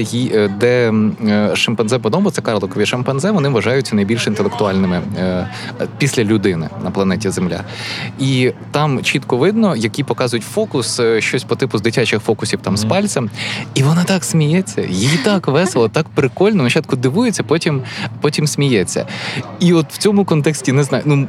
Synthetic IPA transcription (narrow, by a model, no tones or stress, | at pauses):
jid̪ɛ | ʃɐmpɛnzɛpɔd̪ɔbɔt̪sɛkɑɾlˠɔkɔʋʲiʃɐmpɛnzɛʋɔnɪʋɐʒɑjʊt͡sʲːɐnɐjbʲilʲʃint̪elˠek̚t̪ʊɑlʲnɪmɪ | pʲisʲlʲɐlʲʊd̪ɪnɪ̰nɐplˠɐnɛtʲizemlʲa̰it̪ɑmt͡ʃit̪kɔʋɪd̪̚nɔjɐkʲipɔkɑzʊjʊtʲfɔkʊsʃt͡ʃɔsʲpɔt̪ɪpʊzd̪ɪtʲat͡ʃɪxfɔkʊsʲiwt̪ɑmspɑlʲt͡s̪ʲɐmiʋɔnɑt̪ɑksʲmʲijɛt͡sʲːɐ̰jijit̪ɑkʋɛselˠɐt̪ɑkpɾɪkɔlʲnɔmɐt͡ʃɑt̪̚kʊd̪ɪʋujet͡sʲːɐpɔtʲimpɔtʲimsʲmʲijɛt͡sʲːɐ̰iɔt̪w̥t͡sʲɔmʊkɔnt̪ɛksʲtʲinɛznɑjnu